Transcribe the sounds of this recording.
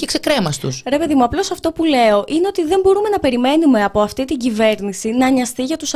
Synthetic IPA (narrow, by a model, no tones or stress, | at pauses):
cekse̞kɾe̞mɐst̪ṵsɾe̞pe̞ðimuɐplo̞sɐft̪o̞pule̞o̞ʔine̞o̞t̪iðe̞mbo̞ɾume̞nɐpe̞ɾime̞nume̞ɐpo̞ɐft̪it̪iɲɟive̞ɾnisinɐɲɐst̪iʝɐt̪us